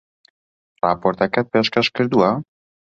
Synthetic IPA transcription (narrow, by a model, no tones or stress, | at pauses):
ɾa̰pɔɾt̪akapɛʃkaʃkɘɾd̪ua